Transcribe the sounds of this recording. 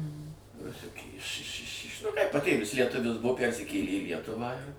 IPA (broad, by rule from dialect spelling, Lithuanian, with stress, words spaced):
rʊˈsʲʊkʲeː ɪʃ ɪʃ ɪʃ ɪʃ nʊ ˈkɐɪp pɐˈtʲeːʋʲɪs lʲiɛˈtʊʋʲɪs ˈbʊʋoː ˈpʲærʲsʲɪkʲeːlʲeː iː ˈlʲiɛtʊʋɑː ɪr